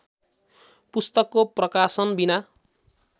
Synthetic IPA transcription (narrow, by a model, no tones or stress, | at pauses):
pust̪ʌkːoprʌkasʌnbina